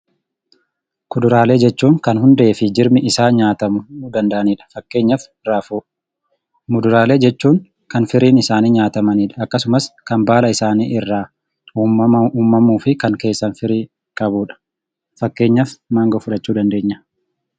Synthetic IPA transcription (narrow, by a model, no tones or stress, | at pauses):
kʊd̪ʊɾaːle̞ːd͡ʒɛt͡ʃːuːŋkɐnhʊnd̪e̞ːfɪd͡ʒɪɾmɪʔɪsaːɲaːt̪ɐmʊd̪ɐnd̪ɐʔɐniːᶑɐ̥fɐkːe̞ːɲːɐfɪrːaːfuː | mʊd̪ʊɾaːle̞ːd͡ʒɛt͡ʃːuːŋ | kɐnfɪɾiːnɪsaːniːɲaːt̪ɐmɐniːᶑɐɐkːɐsʊmɐskɐmbaːlɐɪsaːnḭːʔɪrːaː | uːmɐɐuːmːɐmuːfɪkɐŋke̞ːsːɐnfɪɾiː | kʼɐbuːᶑɐ̥ | fɐkːe̞ːɲːɐfmaːŋɡɐfʊᶑɐt͡ʃːuːd̪ɐnd̪e̞ːɲːɐ̥